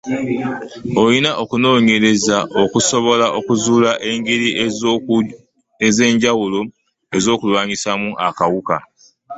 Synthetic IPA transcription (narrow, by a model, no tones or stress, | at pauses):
o̞jinaʔo̞kuno̞ːɲe̞ɾe̞zaʔokuso̞βo̞laʔo̞kuzuːlaʔe̞ŋɡeɾi | eze̞ːɲɟawulo̞ | e̞zo̞ːkulwaːɲisamuʔakawuka̰